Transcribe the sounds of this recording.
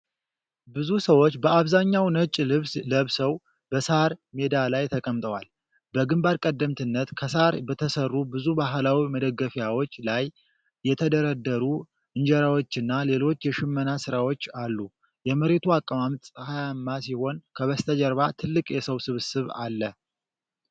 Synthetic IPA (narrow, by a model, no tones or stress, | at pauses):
bɨzusəwo̞t͡ʃːbəaβzaɲːawnət͡ʃʼːlɨβsləβsəw | bəshaɾme̞d̪alajt̪ʰəkʼəmt̪ʼəwal | bəɡɨmbaɾkʼəd̪ːəmt̪ʰɨnːət̪kʰəsaɾbət̪ʰəsərːubɨzubaɦlawiməd̪əɡːəfjawo̞t͡ʃːlajː | ɛt̪ʰəd̪əɾəd̪ːəɾu | ɨnd͡ʒɛɾawo̞t͡ʃːɪnːale̞lo̞t͡ʃːjɛʃɪmːənasɨɾawo̞t͡ʃːalːu | jɛməɾe̞t̪ʰuakʼːəmamt̪ʼhajamːasiho̞nkʰəβəst̪ʰəd͡ʒəɾβat̪ʰɨlːɨkʼjɛsəwsɨβsɨβa̰lːə